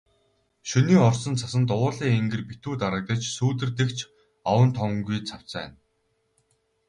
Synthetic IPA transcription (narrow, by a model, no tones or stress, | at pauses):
ʃuniːɔrsɞ̆nt͡sʰasə̆nt̪ʊwʊːɮiːŋeŋɡɘ̆rpit̪uːt̪aɾə̆k̚t̪ə̆t͡ɕsuːt̪ɘ̆rt̪ɘ̆kt͡ɕʰ | awə̆nt̪ʰɔŋŋɡujt͡sʰaw̥t͡sæ̰ːn